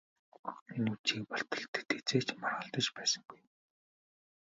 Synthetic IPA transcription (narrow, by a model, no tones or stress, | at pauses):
enut͡ɕiːk̚pɔɬt̪ɞ̆ɬt̪ɘ̥̆t̪ʰet͡seːt͡ɕmarʁə̆ɬt̪ə̆t͡ɕpæːsə̆ŋɡuj